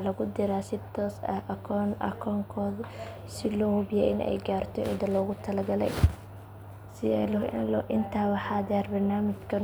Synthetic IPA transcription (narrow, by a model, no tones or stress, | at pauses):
lɐɣʊd̪ɪɾaːsɪt̪ʰɔːsɐ̰hʔɐkʰɔnʔɐ̰kʰɔːŋkʰɔːð | sɪlɔːhʊbjɛ̰ʔɪnɛ̰jɡaːrt̪ʰɔʔɪ̰nt̪ɐlɔːɣʊt̪ʰɐlɐɡɐlɛ̰j | sɪɛlʔɪnt̪ʰaːwɑħɑːðɛːrbɐrnaːmɪt͡ʃkʰɐ